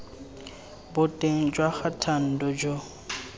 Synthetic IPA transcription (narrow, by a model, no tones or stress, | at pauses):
bʊtʼeŋ̩d͡ʒwaχatʰan̩dɔd͡ʒo